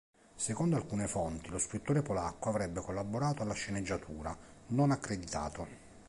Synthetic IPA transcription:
sekɔnd̪oalkuːnefɔnt̪iloskɾut̪ːoːɾepolakːoavɾɛbːekolːaboɾaːt̪oalːaʃːened͡ʒːat̪ʰuːɾanonakːɾed̪it̪a̰ːt̪o

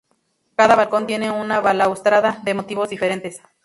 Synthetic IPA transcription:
kaðaβalko̞nt̪je̞neunaβalaust̪ɾaðaðe̞mot̪iβo̞zd̪ife̞ɾent̪es

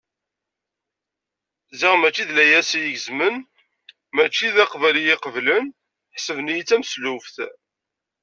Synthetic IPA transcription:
ziʁmæt͡ʃːiðlæjæsijəʝəzmən | mæt͡ʃːiðæqvælijɪqəvlən | ħsəvnijit͡sːæmslufθ

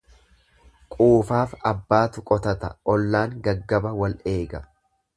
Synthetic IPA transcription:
kʼuːfaːfɐbːaːt̪ʊkʼɔt̪ɐt̪ɐʔɔlːaːŋɡɐɡːɐbɐwɐlʔe̞ːɡɐ

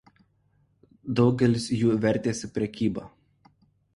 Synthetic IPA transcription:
d̪ɒʊɡʲɛlʲɪsjuːʋʲɛɾʲˑt̪ʲeːsʲɪpʲɾʲɛkʲiːbɐ

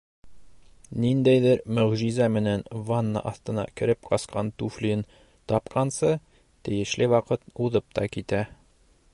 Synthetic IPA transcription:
nind̪æjðɘɾmɵ̆ʁʒizæmɘ̆nænvanːɑ̰ʔɒθt̪ɤ̆nɑ̰kɘ̆ɾɘp̚qɒsqɑnt̪ufliɘn | t̪ɒpqʰɑnsɤ | t̪ɘ̆jɘ̆ʃlɘwɒqɤt̪̚uðɤp̚t̪ɑkit̪æ

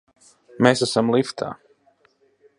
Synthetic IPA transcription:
meːsasamlˠift̪ʰa̰ː

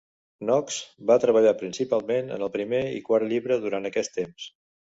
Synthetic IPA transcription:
nɔkz̥bat̪ɾəβəʎapɾinsipalˠmenə̰nəlˠpɾimeḭkwaɾt̪ʎiβɾəðuɾant̪əkɛst̪ems

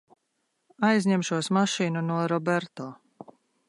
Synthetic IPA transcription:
ajzʲɲemʃuɔsmaʃiːnunuɔɾɔbɛɾt̪ɔː

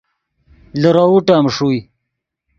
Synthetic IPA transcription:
ləɾauʈamʂuj

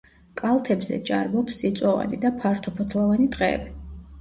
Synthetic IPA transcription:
kʼalˠt̪ʰɛbzɛ̰t͡ʃʼaɾbɔpsːit̪sʼwɔva̰nid̪apʰaɾt̪ʰɔpʰɔt̪ʰlˠɔvanid̪qʼɛːbi

